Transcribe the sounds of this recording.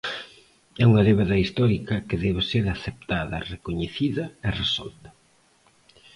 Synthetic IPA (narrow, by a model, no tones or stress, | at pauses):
ɛuŋɐðeβaðɐist̪ɔɾikɐkeðɛβeseɾaθep̚t̪aðɐ̰rekoɲeθiðɐeresɔ̰lt̪ɐ̥